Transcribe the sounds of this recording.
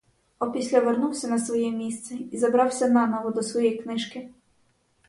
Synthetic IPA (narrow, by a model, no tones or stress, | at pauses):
ɔpʲisʲlʲɐʋernuwsʲɐnɐsʋɔjɛmʲist̪sɛizɐbɾɑwsʲɐnɑnɔʋɔd̪ɔsʋɔjɛjknɪʃkɪ